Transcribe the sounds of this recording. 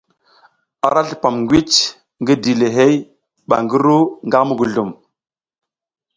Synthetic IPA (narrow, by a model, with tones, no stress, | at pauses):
a˨ɾa˦ɬi̥˨pa˨mŋɡwi˦t͡ʃ | ŋɡə˦di˨le˨ɦe˦j | ɓa̰˨ŋɡə˦ɾu˦ŋɡa˦mu˦ɡu˨ɮu˨m